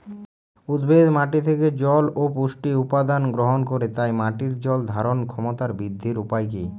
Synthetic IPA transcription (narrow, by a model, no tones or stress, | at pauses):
ud̪bed̪maʈit̪ʰeked͡ʑɔlopuʃʈiupad̪anɡɾoɦonkoɾet̪ajmaʈiɾd͡ʑɔld̪ʱaɾonkʰɔmot̪aɾbid̪ʱːiɾupajk̬i